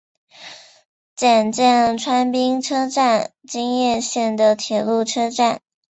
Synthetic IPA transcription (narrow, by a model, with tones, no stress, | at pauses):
t͡ɕɛ˨˩nt͡ɕɛ˥˩ŋʈ͡ʂʰwa˥npi˥ŋʈ͡ʂʰɤ˥ʈ͡ʂa˥˩n | t͡ɕi˥ŋjɛ˥˧nɕjɛ˥˩nd̪ə˩t̪ʰjɛ˨˩lu˥˩ʈ͡ʂʰɤ˥ʈ͡ʂa˥˩n